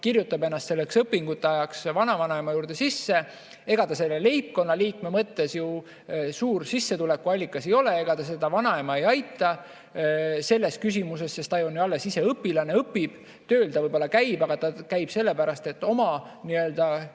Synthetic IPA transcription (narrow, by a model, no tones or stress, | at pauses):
kirjut̪ːˑɑbe̞nːɑst̪se̞lːeksɤpːiŋɡ̥ut̪ːeɑjɑksvɑnɑvɑnɑemɑjuːɾd̪̥e̞sisːe̞ | e̞ɡ̥ɑt̪ɑse̞lːelejp̚ko̞nːɑliːkme̞mɤt̪ːe̞sju | suːrsisːe̞t̪ulekːuɑlʲːikːˑɑse̞jo̞lee̞ɡ̥ɑt̪ɑs̬e̞d̪̥ɑvɑnɑemɑe̞jɑjt̪ːˑɑ | se̞lːe̞skys̬ʲimuse̞sːest̪ɑjonjuɑlːe̞sise̞ɤpːilɑne̞ɤpːib̥ | t̪ø̞ːld̪ɑvɤjb̥o̞lːɑkæjb̥ɑɡ̥ɑt̪ɑkæjb̥se̞lːepæɾɑst̪e̞t̪ːo̞mɑ | niø̞ld̪̥ɑ